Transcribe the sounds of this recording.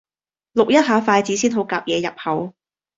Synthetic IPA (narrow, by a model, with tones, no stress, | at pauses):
lʊ˨k̚jɐ˥t̚ɦaː˨˥faː˧jt͡siː˨˥siː˥nɦo˨˥wkaː˨p̚jɛː˨˧jɐ˨p̚hɐ˨˥w